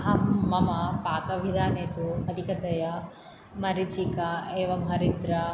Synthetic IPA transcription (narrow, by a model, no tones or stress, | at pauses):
ɐmːɐmɐpaːt̪ɐʋid̪ʱaːneːt̪uɐd̪ʱikɐt̪ɐjɐ | mɐɾit͡ʃikɐeːʋɐmɦɐɾid̪ɾɐ